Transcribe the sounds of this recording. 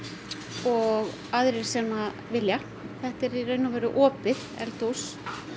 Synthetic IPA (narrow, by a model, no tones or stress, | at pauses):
ɔɣ | aðɾɪɾ̥sɛːma | vɪlja | θɛht̪ɛɾirœːɥnavɛːɾʏʔɔːpɪð | ɛ̰lt̪ows